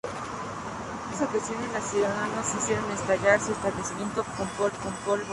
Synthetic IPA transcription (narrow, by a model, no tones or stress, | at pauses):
asokasjonenlasjuðaðanosisjeɾonest̪aʝaɾsuest̪aβlesimje̞nt̪okompolkompolβ